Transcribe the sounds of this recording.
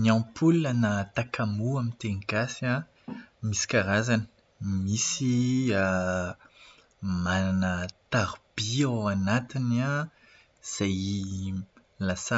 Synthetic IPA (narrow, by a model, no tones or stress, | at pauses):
niãpulunanat̪akʰamuamint̪eŋkasia | misi̥kaɾazani̥ | misia | mananət̪aɾb̥iawanat̪ina | z̥aj | lasa